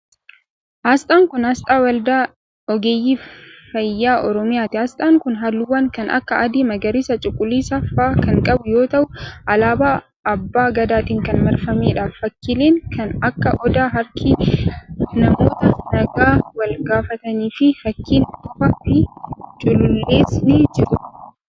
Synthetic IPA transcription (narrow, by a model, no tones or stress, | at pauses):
ʔaːst̪ʼaːŋkʊnhɐst̪ʼaːwɐld̪aː | ɔɡeːjːiːfɐjːaːʔɔɾɔmɪjaːt̪ɪhaːst̪ʼaːŋkʊnɦalːʊwːɐŋkɐnɐ̰kːɐʔɐd̪eːmɐɡɐɾɪːsɐt͡ʃʼʊkʼːʊlːiːsɐfaːkɐŋkʼɐbʊjo̞ːt̪ɐʔʊʔɐlaːbaː | ʔɐbːaːɡɐd̪aːt̪iːŋkɐnmɐɾfɐmeːᶑaːffɐkːiːleːŋkʰɐnɐkːɐʔɔd̪aːɦɐɾkʰi | nɐmo̞ːt̪ɐnɐɡaːwɐlɡaːfɐt̪ɐniːfɪfɐkːiːnt̪ʊfɐɪt͡ʃʼʊlʊlːe̞ːsneːd͡ʒɪɾʊ